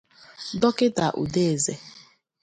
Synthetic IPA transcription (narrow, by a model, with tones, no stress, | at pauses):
dɔ˦kɪ˦ta˨ʔṵ˨de˦e˨ze˦